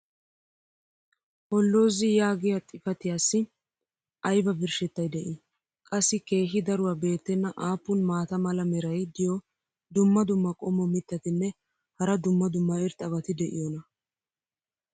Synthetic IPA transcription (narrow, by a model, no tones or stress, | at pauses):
hɔlːo̞ːzɪjaːɡɪjat̪ʼɪfɐt̪ɪjaːsːɪ | ʔɐjbɐbɪɾʃɛt̪ːɐjd̪ɛʔɪ | kʼɐsːɪke̞ːɦɪd̪ɐɾʊwaːbe̞ːt̪ːɛnːɐʔaːpːʊnmaːt̪ɐmɐlɐmɛɾɐjd̪ɪjɔ | d̪ʊmːɐd̪ʊmːɐkʼɔmːɔmɪt̪ːɐt̪ɪnːɛ | hɐɾɐd̪ʊmːɐd̪ʊmːɐɪɾt̪ʼɐβɐt̪ɪd̪ɛʔɪ̰jɔnɐ